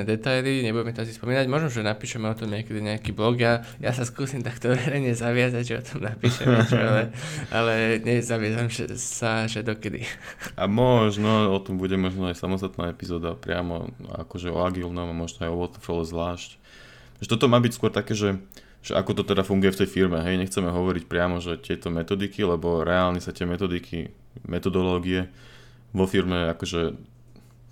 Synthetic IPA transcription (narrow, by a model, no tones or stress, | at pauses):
ɛd̪ɛt̪ajliɲɛbuɟɛmɛt̪ɔas̬ispɔmiːnaɟmɔʒnɔʒɛnapiːʃɛmɛɔt̪ɔmɲɪɛkɛd̪iɲɛakiːblɔɡja | jasaskuːsimt̪akt̪ɔʋɛɾɛjɲɛzaʋɪazaɟʒɛɔ̰t̪ɔmnapiːʃɛ̰md͡ʒɛalɛʔa̰lɛɲɛzaʋɪazamʒɛ̰saʒɛd̪ɔkɛd̪ḭʔa̰mɔʒnɔɔt̪ɔmbuɟɛmɔʒnɔajsamɔst̪at̪naːɛpizɔːd̪apɾɪa̰mɔ̰a̰kɔʒɛɔ̰aɡiːlnɔmamɔʒnɔajɔʋɔt̪ɛfɔlɛzʋlaːʃc | ʒɛt̪ɔt̪ɔmaːbicskwʊɔɾt̪akɛːʒɛ | ʒ̥ɛ̰ʔakɔt̪ɔt̪ɛd̪afuŋɡujɛft̪ɛjfiɾmɛɦɛjɲɛxt͡sɛmɛɦɔʋɔɾicpɾɪamɔʒɛt̪ɪɛt̪ɔmɛt̪ɔd̪ikilɛbɔɾɛaːlɲɛsat̪ɪɛmɛt̪ɔd̪ikʰḭ | mʔɛt̪ɔd̪ɔlɔːɡiɛ | ʋɔfiɾmɛakɔʒɛ